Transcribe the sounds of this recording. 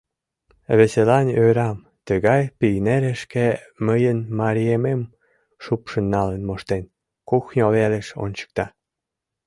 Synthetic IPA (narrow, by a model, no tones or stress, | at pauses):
βeselɑnøɾɑm | t̪əɣɑjpijneɾeʃkeməjənmɑɾʲiemem | ʃupʃənːɑlenmoʃt̪en | kuxnʲoβeleʃo̰nʲt͡ɕə̥k̚t̪ɑ